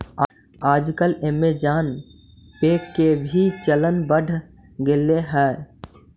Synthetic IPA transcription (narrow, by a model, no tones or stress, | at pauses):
aːd͡ʒkəlemed͡ʒaːn | peːkːebʱit͡ʃələnbəɖʱ | ɡeleɦɛː